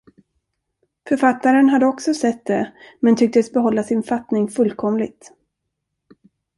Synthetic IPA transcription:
fœɾfat̪ːaɾənɦad̪ːəɔksɔsɛt̪ːd̪ɛmɛnt̪ʰʏk̚t̪əsbɛɦɔlːasɪnfat̪nɪŋfɵlːkʰɔmlɪɡ̚t̪

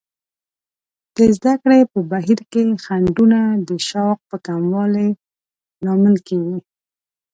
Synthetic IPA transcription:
d̪̥əzd̪akɽepəbaɦiɾkexaɳɖunad̪əʃɑq̚pəkamwɑle | nɑməlkeɡi

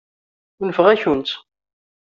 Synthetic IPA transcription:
nəfəʁæçunt͡s̪

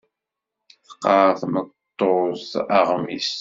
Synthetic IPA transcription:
θə̥qːɑθmətt̪ˤːozɑʁmis

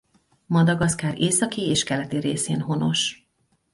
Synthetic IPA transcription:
mɒd̪ɒɡɒskaːɾʔeːsɒkiːeːʃkɛlɛt̪iɾeːseːnɦo̞no̞ʃ

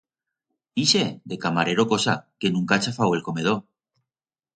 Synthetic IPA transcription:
ised̪e̞kamaɾe̞ɾokosa̰ke̞nũŋkat͡ʃafawe̞lko̞me̞ð̞o

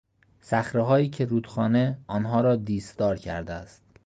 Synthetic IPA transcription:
sæxɾeɦɒːjiːcʰeɾuːt̪xɒːneɒːnɦɒːɾɒːd̪iːsd̪ɒːɾcʰæ̰ɾd̪eæst̪̚

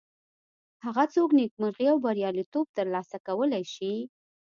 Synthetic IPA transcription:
haɣat͡soknek̚məɾɣiawbaɾjɑlit̪ob̚t̪əɾlɑsakawəlajʃi

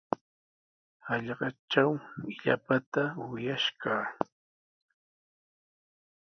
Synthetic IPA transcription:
ɑʎɢɑʈ͡ʂt͡ʃawɪʎa̰pat̪awɪjaʃkaː

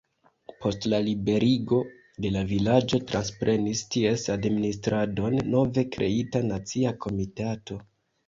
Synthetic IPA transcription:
po̞stlalibe̞ɾiɡo̞ | de̞lavilad͡ʒo̞tɾanspɾʔe̞nistie̞sadministɾado̞nːo̞ve̞kɾʔe̞̰itanat͡siakʰo̞mitato̞

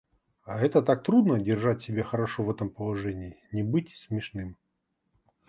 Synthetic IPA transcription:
aɛt̪ət̪ak̚t̪ɾud̪nədʲɪrʐatʲsʲɪbʲexəɾɐʂovɛt̪əmpəlˠɐʐɛnʲɪːnʲɪbɨtʲsʲmʲɪʂnɨm

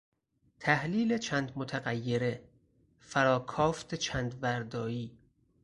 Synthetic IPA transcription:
t̪ʰæhliːlet͡ʃʰæːnd̪mot̪ʰæɣæjːe̞ɾe | fæɾɒːkʰɒːft̪ʰet͡ʃʰænd̪væɾd̪ɒːjiː

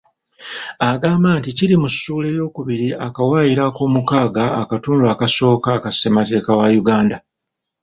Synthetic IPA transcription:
aɡaːmbaːnticiɾimusːuːle̞jo̞ːkuβiɾiʔakawaːjiɾako̞ːmukaːɡaːkatuːnduakaso̞ːkakasemate̞ːkawajuɡaːnda

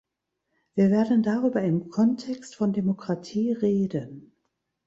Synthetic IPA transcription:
v̥iːɐveːɐdən̩daʁyːbɐɪmkʰɔntʰɛkstfɔndemokʁ̥atʰiːʁeːdən

